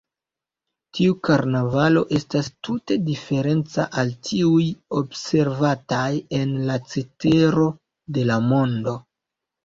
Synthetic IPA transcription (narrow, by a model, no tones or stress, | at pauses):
tiukaɾnavalo̞ʔe̞stastʰute̞dife̞ɾe̞nt͡sa̰ʔaltʰiujo̞bse̞ɾvataje̞nlat͡sete̞ɾo̞ | de̞lamo̞ndo̞